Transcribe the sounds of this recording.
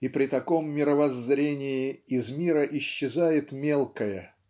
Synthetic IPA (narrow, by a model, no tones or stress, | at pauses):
ipɾʲɪt̪ɐko̞mːʲɪɾəvɐzːɾʲenʲɪjɪɪzmʲiɾəʔɪɕːɪzajɪt̪mʲe̞lˠkəjə